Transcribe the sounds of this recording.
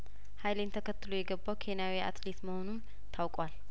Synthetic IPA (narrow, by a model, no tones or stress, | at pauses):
hajlent̪ʰəkʰət̪ːɨlujɛɡəbːawkʰe̞njawia̰t̪let̪məho̞nun | t̪ʰawkʼwal